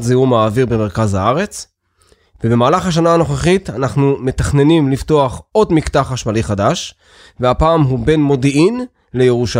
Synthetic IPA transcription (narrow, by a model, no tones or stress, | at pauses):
zeumaːviʁbe̞me̞ʁkazhaaʁe̞t͡s | vebe̞maːlaχhaʃ̬anaano̞χeχitanaχnume̞taχne̞nimlifto̞aχo̞dmiktaχaʃmaliχadaʃ | veapaːmɦube̞nmo̞diin | lejeʁuʃa